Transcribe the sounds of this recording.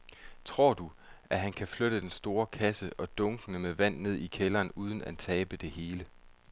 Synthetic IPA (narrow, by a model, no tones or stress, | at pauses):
t͡sʰʁo̝ɐ̰d̥u | ʔæɦænkʰæfløɾ̥əd̥ensd̥o̝ːɐkʰæsəʔɒ̽d̥ɔ̽ŋɡ̥ənəmeʋæn̰ne̝ð̞̰ˠikʰelɐːnuːð̞ˠn̩æt͡sʰɛːb̥əd̥e̝he̝ːlə